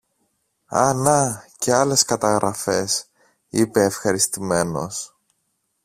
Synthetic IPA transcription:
ɐ̰nɐceɐle̞skɐt̪ɐɣɾʔɐfe̞s | ipe̞ːfxɐɾist̪ime̞no̞̰s

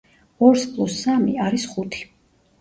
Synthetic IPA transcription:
ɔɾspʼlˠusamḭaɾisχut̪ʰi̥

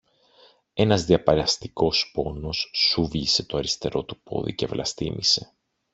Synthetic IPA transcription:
e̞nɐzðiɐpɐɾeɐst̪i̥ko̞spo̞no̞sːuvʎise̞t̪o̞ɐɾist̪e̞ɾo̞t̪upo̞̰ðḭce̞vlɐst̪imʔise̞̥

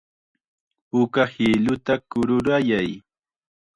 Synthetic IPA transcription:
ʊkahɪlʊt̪akʊɾʊɾajaj

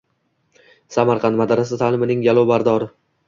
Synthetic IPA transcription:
samaɾqʰɑnt̪mad̪aɾasɪt̪ʰaːlɪmɪnɪŋɡalˠɒbaɾd̪ɒɾɪ

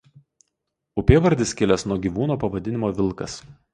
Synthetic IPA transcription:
ʊpʲeːʋɐɾʲd̪ʲɪskʲɪlʲɛsnuɔɡʲiːʋuːnoːpɐʋɐd̪ʲɪnʲɪmoːʋʲɪlˠˑkɐs

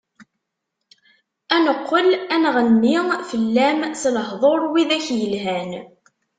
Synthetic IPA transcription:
ænəqːəlænʁənmifəlːæmsləɦðˤoɾˤwiðæçjəlɦæn

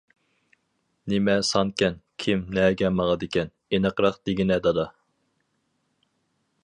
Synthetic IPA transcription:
nɪmɛsɑnkʲɛnkʲʰɪmnɛɡʲɛmɑʁɑd̪ɪkʲʰɛn | enəqɾɑqd̪̥eɡʲinɛd̪ɑd̪ɑ

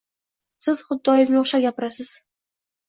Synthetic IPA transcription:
sɪz̥χʊd̪ːɒjɪkʲnoχʃaɡʲapɪɾasɪz̥

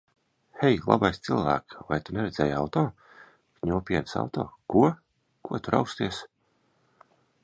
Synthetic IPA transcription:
hɛjlˠa̰bajst̪silˠvæ̰ːkva̰jt̪unʲɛɾɛd̪zʲɛːjawt̪ɔː | kɲʲuɔpʲiɛnsa̰wt̪ɔ̰ːkuɔ | kuɔt̪uɾa̰wkst̪iɛs

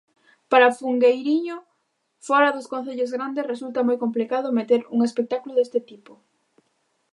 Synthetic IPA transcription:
paɾafuŋɡejɾiɲo | fɔɾɐðʊskõn̟θeʎozɣɾand̪esresult̪ɐmojkomplikað̞ʊmet̪eɾuŋespek̚t̪akuloðest̪ɪt̪ipo

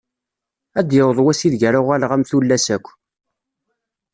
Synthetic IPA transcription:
æd̪jəwðˤwæsiðʝæɾaʁælʁæmθulːæsækʷː

